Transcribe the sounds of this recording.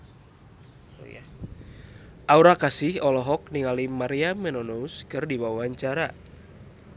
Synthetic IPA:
ja | ʔauɾakasɪhɔlɔɦɔk̚niŋalimaɾiamɛnɔnɔuskɨrdibawaɲt͡ʃaɾa

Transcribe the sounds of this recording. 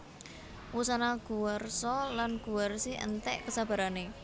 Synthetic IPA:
wusanaɡ̥ṳwɔrsɔlanɡ̥uwərsiʔə̰nt̪ɛʔkəsab̥a̤ɾane

